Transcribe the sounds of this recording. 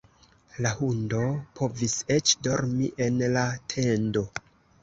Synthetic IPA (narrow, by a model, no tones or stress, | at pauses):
lahundo̞pʰo̞vise̞t͡ʃdo̞ɾmiʔe̞nlatʰe̞ndo̞